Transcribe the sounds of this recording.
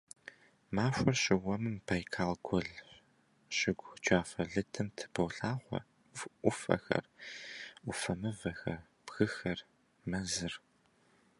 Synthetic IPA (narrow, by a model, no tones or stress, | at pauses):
maːʃʷɔrɕɪwɐmɨmpʰaːjkʰaːlɡʷʰɔɮ | ɕɪɡʷt͡ʃʷʰʼaːfɐɮɨtʰɨmtʰɨ̥bɐwɬaːχʷɔ̰ | ʊfɐ̰xɐ̰r | ʊfɐmɨvɐxɐr | b̥ɣɨxɐr | mɐzɨr